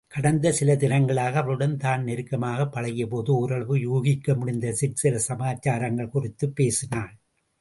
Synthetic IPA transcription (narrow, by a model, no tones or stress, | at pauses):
kɐɽɐnd̪ɐsɪlɐd̪ɪɾɐŋɡɐɭaːɣɐːʋɐɭɯɽɐnt̪aːnnɛɾɯkːɐmaːɣɐpːɐɭɐɣɪjɐpoːðɯʊɾɐɭʋɯjuːɣɪkːɐmʊɽɪnd̪ɐsɪʈsɪlɐsɐmaːt͡ʃaːɾɐŋɡɐɭkʊrɪt̪ːɯpːeːsɪnaːn